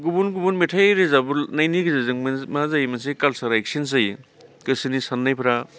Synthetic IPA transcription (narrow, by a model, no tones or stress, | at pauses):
ɡubunɡubunmetʰajɾezabulnajniɡɯzazɯŋmazajmansejkalsaɾek̚sins̬ɯj | kɯsinisanːajpʰɾa